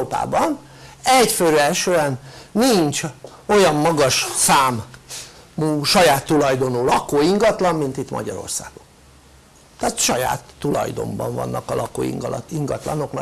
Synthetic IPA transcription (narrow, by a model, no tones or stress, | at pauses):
oːpa̰ːbɒn | ɛɟføɾɛlʃøːɛnniɲt͡ʃ | o̞jɒmːɒɡɒʃsaːmː | uːʃɒjaːt̪ːulɒjd̪o̞nuːlɒkoːiŋɡɒt̪lɒmmint̪it̪mɒ̰ɟɒɾo̞̰rsaːɡ̥om | t̪aːt̪ʃɒja̰ːt̪ːulɒ̰jd̪o̞̰mbɒɱvɒ̰nːʔɒkɒlʔɒko̰ːḭŋɡ̪iŋɡɒt̪lɒno̞knɒ